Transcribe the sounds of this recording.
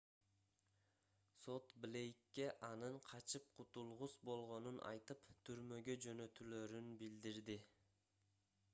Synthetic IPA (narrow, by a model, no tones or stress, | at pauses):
so̞t̪blʲe̞jkːe̞ʔɑnɯɴqʰɑt͡ʃɯp̚qʰʊt̪ulˠʁuzbo̞lˠʁo̞nunʔɑ̰jt̪ɯpt̪ʰyɾmø̞ɡød͡ʒø̞nø̞t̪yløɾynbild̪iɾd̪ɪ